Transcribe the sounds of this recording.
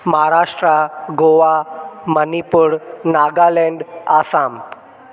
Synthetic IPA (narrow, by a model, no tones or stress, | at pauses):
məɦaɾaʂʈɾaɡoʋamənipuːɾnaɡaleɳɖasam